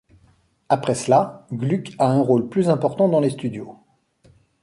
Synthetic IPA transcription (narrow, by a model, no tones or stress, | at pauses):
apχɛslaɡlykaɛ̃ʁolplyzɛ̃pɔʁt̪ɑ̃d̪ɑ̃lest̪yd̪jo